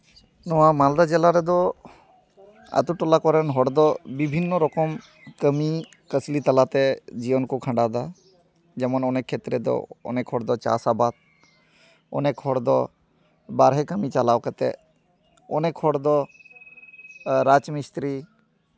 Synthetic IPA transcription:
nɔwamald̪ad͡ʒelaɾɛd̪ɔ | a̰t̪uʈɔlakɔɾɛnɦɔɽd̪ɔbibʱinːɔɾɔkɔm | kəmi | kəslit̪ɐlat̪ɛd͡ʒiwənkukʰə̃ɳɖad̪a | d͡ʒɛmɔnɔnekʰet̪ɾɛd̪ɔ̰ɔ̰nɛkʰɔɽd̪ɔt͡ʃa̰sabat̪̚ | ɔ̰nɛkʰɔɽd̪ɔ | baɾɦɛkəmit͡ʃalawkat̪ɛ̰ | ɔnɛkʰɔɽd̪ɔ | ɾat͡ʃmist̪ɾi

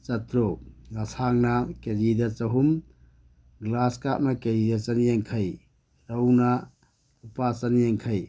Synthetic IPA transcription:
t͡ʃɐtɾoɡɐsaŋnɐked͡ʒidɐt͡ʃɐɦum | ɡlaskaʔ̚mɐkeɾidɐt͡ʃɐnijeŋkʰɐj | ɾɐwnɐ | upat͡ʃɐnijeŋkʰɐj

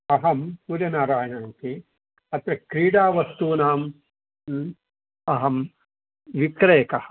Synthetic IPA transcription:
ɐɦɐmpuɾɐnaːɾaːjɐnaːnk̪e | ɐt̪ɾɐkɾiːɽaːʋɐst̪uːnaːm | ɐɦɐm | ʋikɾeːkɐhɐ

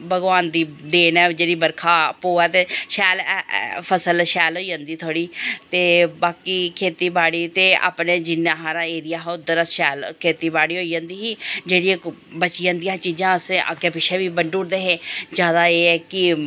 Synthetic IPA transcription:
bəɡʋaːnd̪iːd̪eːnɛːd͡ʒeːɽiːbəɾkʰaːpoːɛːt̪eːʃɛːlpʰəsəlʃɛːlɦoːiːd͡ʒãːnd̪iːt̪ʰoːɽiːt̪eːbaːkiːkʰeːt̪iːbaːɽiːt̪eːa̰ːpneːd͡ʒɪnːãːɦaːɾãːeːɾɪjaːɦʊd̪əɾəsʃɛːlkʰeːt̪iːbaːɽiːɦoːiːd͡ʒãːnd̪iːɦiːd͡ʒeːɽiː | bət͡ʃiːãːnd̪ijãːt͡ʃiːd͡ʒãːəskeːpɪʃeːbiːbəɳɖuːɾd̪eːɦeːd͡ʒjaːd̪aːeːɛːkɪ

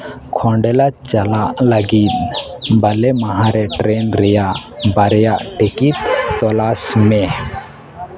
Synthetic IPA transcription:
kʰɔɳɖɛlat͡ʃalaʔləɡit̪̚bɐlɛmaɦãɾɛʈɾenɾɛjaʔbɐɾjaʔʈikit̪ːɔlasmɛ

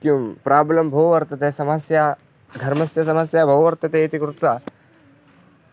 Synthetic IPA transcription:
kjumpɾaːblɐmbʱɐʋʋɐɾt̪ɐt̪eːsɐmɐsjaː | ɡ̪ʱɐɾmɐsjɐsɐmɐsjaːbʱɐʋɐʋɐɾt̪ɐt̪eit̪ikɾut̪ɾaː

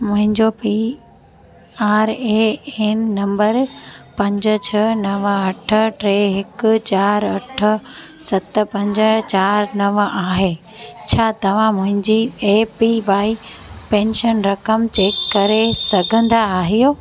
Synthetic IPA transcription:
mʊ̃ɦɪ̃ɲd͡ʑopi | aːɾeeːnːɐ̃mbəɾpɐ̃ɲd͡ʑə̆t͡ɕʰɐnɐʋɐʈʰə̆ʈɾeːɦɪk̆t͡ɕaːɾɐʈʰə̆sɐt̪̆pɐ̃ɲd͡ʑə̆t͡ɕaːɾnɐʋaːɦeː | t͡ɕʰaːt̪ɐʋ̤ãmʊ̃ɦɪ̃ɲd͡ʑieːpiʋaːipẽːnʃənɾɐkəmt͡ɕeːkːɐɾesɐɡʱə̃nd̪aaːɦijoː

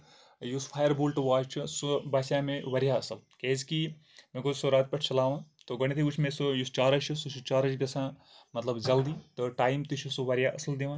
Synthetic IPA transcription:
juspʰaːjɐɾbuːlʈuʋaːt͡ʃt͡ʃʰusubaːsaːmẽʋɐɾjaɐsɐlkezki | mẽkosoɾaːt̪̚pɐʈʰt͡ʃɐlaːʋãːt̪oɡɐɳ̃it̪ʰiut͡ʃʰmẽsɨjust͡ʃaːɾɐt͡ʃʰusut͡ʃʰut͡ʃaːɾɐt͡ʃɡɐsʰãː | mɐt̪lɐbd͡ʒɐld̪iːt̪oʈaːimt̪it͡ʃʰusuʋɐɾjaːʔɐsɐld̪eʋãː

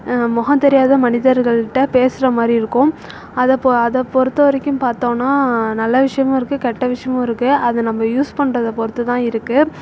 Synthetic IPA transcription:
mɔɣɐ̃nt̪ɛɾɪjaːðɐmɐnɪðɐɾɣɐɭɪʈːɐpeːsɪɾɐmaːd̪ɾiɪɾɯkːʊ̃ | ɐðɐpɐðɐpɔɾɯt̪ːɐʋɐɾɛkʲːɯ̃mpaːɾt̪õːnːaːnɐlːɐʋɪʂɐjɐmʊ̃ɪɾɯkːɯkɛʈːɐʋɪʂɐjɐmʊ̃ɪɾɯkːɯɐðɐnɐmːɐjuːspɐɳːrɐðɐpɔɾɯt̪ːɯt̪ãːɪɾɯkːɯ

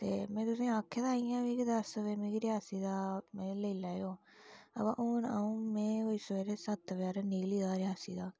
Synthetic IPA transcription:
t̪eːmɛ̃ːt̪ʊsẽːaːkʰːed̪aːiːjãːʋiːkd̪əɾsʋeːmĩːkɾɪɦaːsiːd̪aːmɛ̃ːləilaːjoː | ə̰bã̰ːʔoːna̰ːũːmɛ̃ːɦoiseːɾeːsət̪ʋaːɾaniːliːd̪aːɾɪɦaːsiːd̪aː

